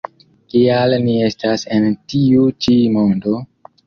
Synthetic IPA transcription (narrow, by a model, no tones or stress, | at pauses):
kialnie̞stase̞ntiut͡ʃimo̞ndo̞